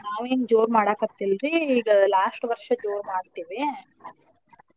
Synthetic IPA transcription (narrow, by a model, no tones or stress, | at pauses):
naːʋeːnd͡ʒoːɾmaːɽaːkɐt̪ːilɾiiːɡɐlaːʂʈʋɐɾʂɐd͡ʒoːɾmaːɖt̪iːʋi